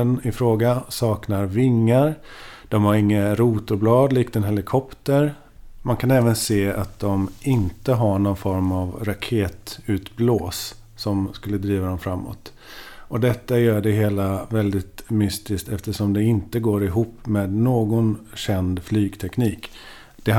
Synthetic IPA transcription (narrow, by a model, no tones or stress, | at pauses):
nɪfɾoːɡasɑːknaɾvɪŋːaɾd̪̥ɔmhaɾɪŋːaɾuːt̪ʊɾblɑːd̪liːk̚t̪ɛnɦɛlɪkʰɔpt̪əɾ | mankʰanɛːvənseːa̰t̪̚d̪ɔmɪnt̪əɦaɳɔnfɔɾmavɾakʰeːt̪ʉ̟ːt̪bloːs | sɔmskɵlːəd̪ɾiːvad̪ɔmfɾamːɔ̰t̪ | ʔɔd̪ɛt̪ːajœːɖɛɦeːlavɛld̪ɪt̪mʏst̪ɪsk̚t̪ɛft̪əʂɔmd̪ɛɪnt̪əɡoːɾɪɦuːpːmeːd̪noːɡɔnɕɛnd̪flyːɡt̪ʰɛkniːk | d̪̥ɛ